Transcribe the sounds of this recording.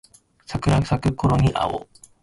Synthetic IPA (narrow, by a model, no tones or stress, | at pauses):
sakɯ̟ɾaɯ̥sakɯ̟koɾo̞ɲ̟iʔa̰o̰